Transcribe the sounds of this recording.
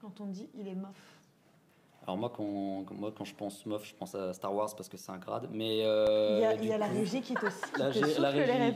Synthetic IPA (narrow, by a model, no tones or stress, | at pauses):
kɑ̃t̪ɔ̃d̪iʔilɛmɔf | alɔ̰ʁmwakɑ̃mwakɑ̃ʒəpɑ̃smɔfʒ̥ə̥pɑ̃sast̪aʁwaʁzpaʁsəkəsɛ̥ɛ̃ɡʁa̰d̪mɛøjailjalaʁeʒikʲiɛt̪osi̥laʒelaʁeʒɛʁɛ